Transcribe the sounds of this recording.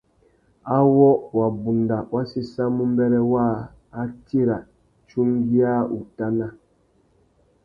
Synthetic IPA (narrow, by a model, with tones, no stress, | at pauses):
a˦wɔ˦wa˨bu˨nda˨wa˦si˦sa˦mu˦m˦bɛ˦ɾɛ˦wa˦˨ | a˦ti˦ɾa˨ | t͡ʃu˦ŋɡi˦a˦u˨ta˦na˦